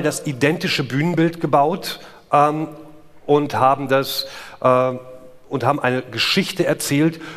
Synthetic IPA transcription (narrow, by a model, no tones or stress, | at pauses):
dasʔidɛntɪʃəbyːnənbɪltɡ̥əbaʊt | ʔɛːm | ʔʊnthaːbm̩dasʔɛː | ʊnthaːbm̩ʔaɪnəɡəʃɪçtəɛɐt͡sɛːlt